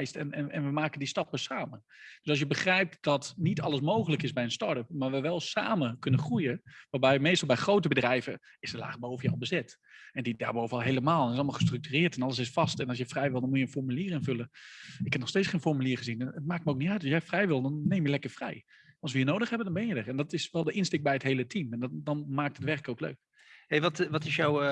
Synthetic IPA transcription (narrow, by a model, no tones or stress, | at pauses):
jstɛnɛnɛ̰nʋəmaːkəndistɑpəsaːməd̥øsɔsjəbəxrɛjp̚td̥ɔtnitʰɑlˠəs̬moːχələkɪsbɛjənstɔɹtəp̚maːʋəʋɛlˠsa̰ːməkønəχrujəʋaːbɛjmeːstɑlˠbɛjxroːtəbədrɛjvə | ɪsəla̰ːχboːvəjəɔ̰lˠbəzɪt | ɛndidaːɹboːvənɔlˠɦeːləmaːlˠɛnɪsɑlˠmɑlˠχəstryk̚tyːrɪːrtɛnɑləs̬ɪsfɑstɛnɔs̬jəfrɛjʋɪlˠdɔnmujənfɔɹmyliːrɪnvøləɪkhɛpnɔχsteːt͡ssχeːnfɔrmyliːrχəzinnət̚maːk̚tməowk̚nitœɥtɑsjɛjfrɛjʋɪlˠdɔnːeːmjəlɛkərfrɛj | ɑlˠsʋəjənoːdəχhɛbəndɔnbɛnjədərɛndɔtɪsʋɛlˠdəʔɪnstɪk̚bɛjətɦeːlətʰimɛndɔnmaːk̚tətʋɛrkəkowklø̰ɥk̚ | heʋɔtʋɔtɪsjaw